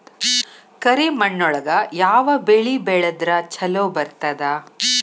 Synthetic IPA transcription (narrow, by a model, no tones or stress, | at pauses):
kɐɾimɐɳːɔɭɐɡɐjaːʋɐbeɭibɛɭɐd̪ɾɐt͡ʃɐloːbɐɾt̪ɐd̪ɐ